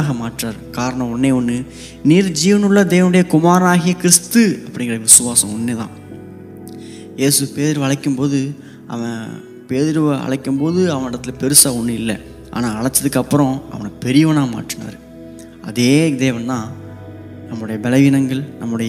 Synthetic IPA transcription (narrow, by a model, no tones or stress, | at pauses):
ɣɐmaːʈraːɾkaːɾɐɳɐ̃ɔnːeːɔnːɯ | niːɾd͡ʒiːʋɐnɯɭːɐd̪eːʋɐnɯɽɐjɐkʊmaːɾɐnaːɣɪjɐkɪɾɪst̪ɯɐpːɐɽɪŋɡɪɾɐʋɪsɯʋaːsɐ̃ɔnːeːðã̰ː | jeːsɯpeːðɪɾɯʋɐɭɐkːɯmpoːðɯ | ʔɐ̰ʋɐ̃ | peːðɪɾɯɐ̰ɭɐkːɯmpoːðɯɐʋɐ̃nɪɽɐt̪ːɪlpɛɾɯsaːɔɳːɯɪlːɛ̰ | ʔa̰ːnaːɐɭɐt͡ʃːɐðɯkːɐpːɯɾɔ̃ʔɐ̰ʋɐnɐpɛɾɪjɐʋɐnaːɣɐma̰ːʈːɪna̰ːɾɯ | ɐ̰ðeːd̪eːʋɐnt̪ãː | nɐmːɯɽɐjɐbɛlɐʋiːnɐŋɡɐɭnɐmːɯɽɐj